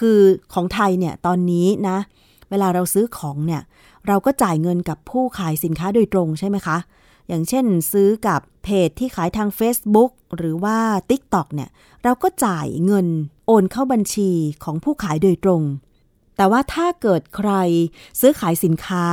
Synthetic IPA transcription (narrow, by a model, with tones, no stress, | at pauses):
kʰɯː˧kʰɔː˩˦ŋt̪ʰa˧jni˥˩ɐt̪ɔː˧nːiː˦˥na˦˥ | weː˧laː˧ɾa˧wsɯː˦˥kʰɔː˩˦ŋni˥˩ɐ | ɾa˧wkɔː˥˩t͡ɕaː˨˩jŋɤ˧nka˨˩pʰːuː˥˩kʰaː˨˩˦jsi˩˦nkʰaː˦˥doː˧jt̪ɾo˧ŋt͡ɕʰa˥˩jma˦˥jkʰa˦˥ | jaː˨˩ŋt͡ɕʰe˥˩nsɯː˦˥ka˨˩pʰːeː˨˩t̪ʰːiː˥˩kʰaː˨˩˦jt̪ʰaː˧ŋfeː˦˥sbu˦˥k̚ɾɯː˩˦waː˥˩t̪i˦˥k̚t̪ɔ˨˩k̚ni˥˩ɐ | ɾa˧wkɔː˥˩t͡ɕaː˨˩jŋɤ˧nʔoː˧nkʰa˥˩wba˧nt͡ɕʰiː˧kʰɔː˩˦ŋpʰuː˥˩kʰaː˩˦jdoː˧jt̪ɾo˧ŋ | t̪ɛː˨˩waː˥˩t̪ʰaː˥˩kɤː˨˩t̪̚kʰɾa˧jsɯː˦˥kʰaː˩˦jsi˩˦nkʰaː˦˥